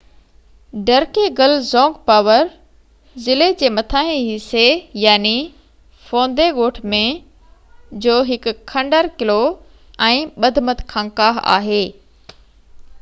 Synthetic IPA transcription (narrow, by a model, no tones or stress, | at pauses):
ɖɐɾkeɡɐlzɔ̃ːŋɡpaːʋəɾ | zɪled͡ʑeːmɐt̪ʰaːɦẽɦisejaːni | fõːnd̪eɠoːʈʰmẽ | d͡ʑoːɦɪkʊkʰːɐ̃ɳɖəɾkɪlo | ɛ̃ːɓɐd̪ʱmət̪kʰãːŋkaːɦa̰ːɦeː